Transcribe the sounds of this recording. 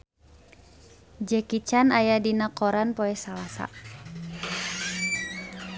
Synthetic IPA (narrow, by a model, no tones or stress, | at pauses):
d͡ʒɛkit͡ʃanajadinakɔɾanpɔɛsalasa̰